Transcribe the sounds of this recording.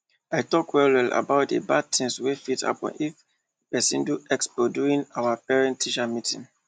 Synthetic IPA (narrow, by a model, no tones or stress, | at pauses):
aɪtɔkwɛlwɛla̰baʊtḛbad̚tʰĩŋswefita̰pɔ̰̃nif | pɛsĩnduɛkspɔduɹĩnawapɛɹɛ̃ntʰːiʃamitĩŋ